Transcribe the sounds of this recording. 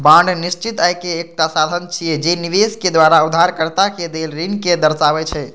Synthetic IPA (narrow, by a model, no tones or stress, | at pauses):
bãɳɖnist͡ʃit̪ajkeːk̚ʈasad̪ʱənt͡ʃʰijɛd͡ʒeniʋesked̪waɾaud̪ʱːaɾkəɾt̪aked̪elɾinked̪əɾsaβɛt͡ʃʰɛ